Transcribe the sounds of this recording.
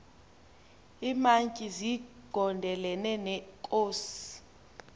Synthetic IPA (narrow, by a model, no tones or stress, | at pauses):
iːmaŋkʼiziɡ̥ʱɔndʱɛlɛnɛnɛkʼoːsi̥